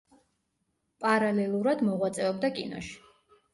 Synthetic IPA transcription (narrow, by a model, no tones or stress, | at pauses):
pʼaɾalɛlˠuɾad̪mɔʁwat̪sʼɛɔbd̪akʼḭnɔ̰ʃi̥